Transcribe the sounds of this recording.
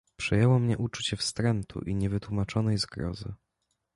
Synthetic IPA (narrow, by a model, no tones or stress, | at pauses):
pʂɛjɛwɔmɲɛʔut͡ʂut͡ɕɛfst̪ɾɛnt̪ʰṵʔiɲɛvɘt̪wumat͡ʂɔnɛjzɡɾɔ̰zɘ̰